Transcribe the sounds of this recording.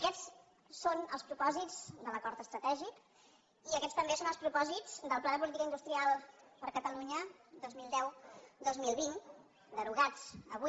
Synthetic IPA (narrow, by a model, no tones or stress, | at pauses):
əkɛt͡s | sonə̰lˠspɾupɔzid͡zd̪ələkɔɾt̪əst̪ɾət̪ɛʒik | iəkɛtst̪əmbesonəlˠspɾupɔzid͡zd̪əlˠplaðəp̬ulit̪ikəinust̪ɾialˠpəɾkət̪əluɲəd̪ozmilˠd̪ɛwd̪ozmilˠβin | d̪əɾuɣ̞ad͡zəβu